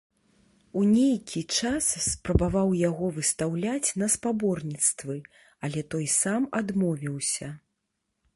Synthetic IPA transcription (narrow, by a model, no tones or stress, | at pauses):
unʲejkʲʰit͡ʂasspɾɐbavawjaɣɔvɨst̪awlʲat͡sʲnɐspabɔrnʲit̪st̪vɨ | ɐlʲɛt̪ɔjsamad̪mɔvʲiwsʲɐ